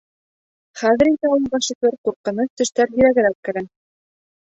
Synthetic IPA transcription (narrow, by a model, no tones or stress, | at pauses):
χæðɘ̆ɾind̪æulˠbɑʃɤ̆klɘɾquɾqɤ̆nɤθt̪ɵ̆ʃt̪æɾɦiɾæɡɘ̆ɾækkːɘ̆ɾɘ